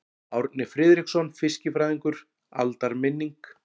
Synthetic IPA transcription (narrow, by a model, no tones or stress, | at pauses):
awɾt̪̚nɪfɾɪːðɾiksɔnfɪscɪfɾajðiŋkʏɾ̥ | a̰lt̪aɾmɪnːiŋk